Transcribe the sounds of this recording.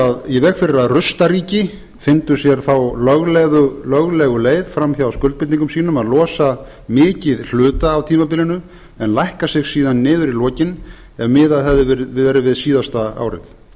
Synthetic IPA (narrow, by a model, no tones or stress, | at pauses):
aðivɛɣfɪɾɪɾaðrʏst̪aɾiːcɪ | fɪnt̪ʏsjɛɾ̥θawlœɣlɛðʏlœɣlɛɣʏleːjðfɾamθjawawskœlt̪̚pɪt̪niŋkʏmsiːnʏmaðlɔːsa | mɪːcɪðl̥ʏːt̪aːwt̪ʰiːmapɪːlɪnʏ | ɛnlajhkasɪɣsiːðanːɪːðʏɾilɔːcɪn | ɛvmɪːðaðɦɛðʏvɪɾvɛɾʏvɪðsiːðast̪aa̰ːwɾɪ̰θ